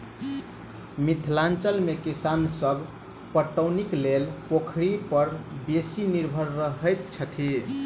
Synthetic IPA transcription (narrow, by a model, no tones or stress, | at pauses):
mit̪ʰlant͡ʃəlmekisansəbʱ | pəʈːəwniklelpokʰɾipəɾbesiniɾbʱəɾːəɦəjt̪t͡ʃʰət̪ʰi